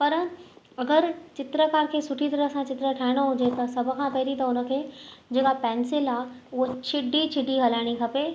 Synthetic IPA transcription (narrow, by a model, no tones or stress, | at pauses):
pɐɾ | ɐɡəɾt͡ɕɪt̪ɾəkaːɾkʰeːsʊʈʰit̪ɐɾəsãt͡ɕɪt̪ɾəʈʰaːɪɽ̃oɦʊ̃d͡ʑet̪ɐsɐbʱʊ̆kʰãpɐɦɪɾit̪ɐʊnə̆kʰeːd͡ʑɪkapɛ̃ːnsɪlaː | ʊɦot͡ɕʰɪɖʱit͡ɕʰɪɖiɦɐlaːɪɽ̃ikʰɐpe